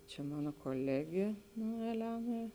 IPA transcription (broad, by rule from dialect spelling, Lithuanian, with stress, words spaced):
t͡ʃʲɛ ˈmɑːnoː koːˈlʲæːɡʲeː nʊ ɛˈlʲæːnɐ